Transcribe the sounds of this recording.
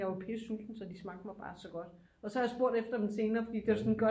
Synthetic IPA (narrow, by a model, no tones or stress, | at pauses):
ɑɪʋɒpʰe̝suːsn̩sɒ̽d̥ismɑ̈ɡ̥ð̥ˠmɑ̈ɪb̥ɑ̈ːsɒ̽ɡ̥ɒ̽d̥ | ɒ̽sɒhɑjɑ̈sb̥o̝ɐ̰d̥efd̥ɐd̥emse̝ːnɐːfɒ̽d̥ḭːd̥e̝ʋɑsɔ̽nɡ̥ɶ